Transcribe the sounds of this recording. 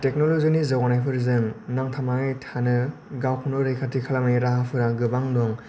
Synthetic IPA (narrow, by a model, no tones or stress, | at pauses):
tek̚nolozinizawanajpʰɯɾzɯŋnaŋtʰamaɯjtʰanɯ | ɡawkʰunɔɾejkʰatikʰalamaiɾaɦapʰɯɾaɡɯbaŋdɔŋ